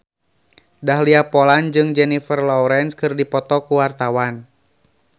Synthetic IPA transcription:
daɦliapɔland͡ʒɨŋd͡ʒɛnifərlɔuɾɛnskɨrdipɔt̪ɔkuwart̪awan

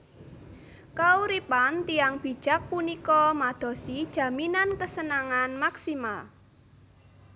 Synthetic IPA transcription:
kauɾipant̪iaŋb̥i̤̥ʒ̥a̤k̚punikɔmad̪̥ɔ̤sid̥ʒ̥ä̤minankəsənaŋanmaksimal

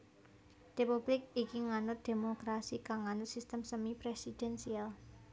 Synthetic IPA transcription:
repub̥lɪk̚ikiŋanʊt̪̚d̪̥e̤mokɾasikaŋːanʊt̪̚sist̪əmsəmipɾesid̪̥ɛnsial

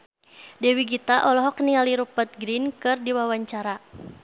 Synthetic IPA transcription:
dɛwiɡit̪aʔɔlɔɦɔkniŋaliɾupət̪̚ɡɾinkɨrdiwawaɲt͡ʃaɾa

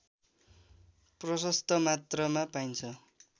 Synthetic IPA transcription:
prʌsʌst̪ʌmat̪rʌmapajnt͡sʰʌ

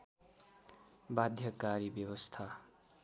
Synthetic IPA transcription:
bad̪ʱjʌkaɾibjʌbʌst̪ʰa

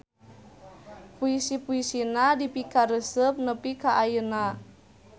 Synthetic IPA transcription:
puisipuisinadipikaɾəsəp̚nəpikaʔajəna

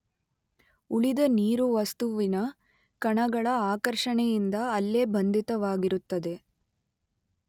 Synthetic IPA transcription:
uɭid̪ɐniːɾuʋɐst̪uʋinɐ | kɐɳɐɡɐɭɐaːkɐɾʂɐɳɛjind̪ɐːlːe̞ːbɐnd̪ʱit̪ɐʋaːɡiɾut̪ːɐd̪e̞

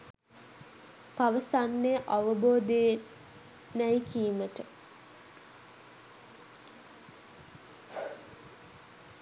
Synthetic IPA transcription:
paʋəsanːejəʔaʋəboːd̪ej | næjkiːməʈə

